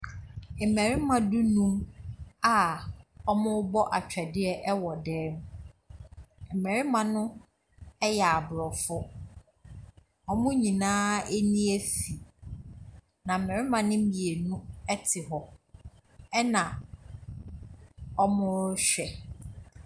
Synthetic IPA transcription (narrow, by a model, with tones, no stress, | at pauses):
mɛ̃˨ɾɪ˦mã˨du˦nũ˦ma˨ɔ˦mʊ̃˦bɔ˦ʔa˨t͡ɕᶣɛ˨dɪ˦ɛ˦ʔɛ˦wɔ˨dɛː˦m˨˦˨ | mɛ˨ɾɪ˦mã˨nʊ̃˦ | ɛ˦jɛ˨a˨bʊ˨ɾɔ˨fʊ˦ | ɔ˦mʊ̃˦ɲĩ˨nãː˦e˦nĩ˦æ˦fi˨ | nã˨m̩˨mɛ̃˨ɾɪ˦mã˨nɪ̃˦mĩ˨e˨nũ˦ɛ˦tʰɪ˨ɦɔ˨ | ɛ˦nã˨ | ɔ˦mʊ̃˦ɕᶣɛ˨